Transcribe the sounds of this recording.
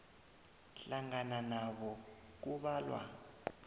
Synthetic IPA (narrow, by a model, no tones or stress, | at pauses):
ɬaŋananaɓɔ | k̬uɓaːlwa̰